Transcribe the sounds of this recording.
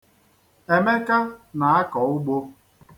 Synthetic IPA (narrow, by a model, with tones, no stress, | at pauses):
e˨me˦ka˦na˨a˦kɔ˨ʊ˦ɡ͡bo˦